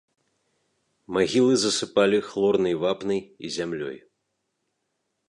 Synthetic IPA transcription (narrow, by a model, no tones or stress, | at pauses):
maɣʲilˠɨzɐsɨpalʲixlˠɔrnɐjvapnɐjḭzʲamlʲɔ̰j